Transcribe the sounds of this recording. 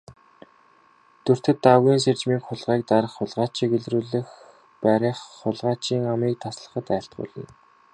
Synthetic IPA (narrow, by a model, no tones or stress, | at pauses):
t̪ɵr̥t̪ʰɘ̆t̪ːawiːnsert͡ɕmiːkχʊɮʁiːk̚t̪aɾə̆χːʊɮʁaːt͡ɕikeɮruːɮɘ̆x | pæɾʲɪ̆χːʊɮʁaːt͡ɕiːŋamiːk̚t̪ʰasɮə̆χə̆t̪æːɬt̪̚pʊ̰ːɮə̆n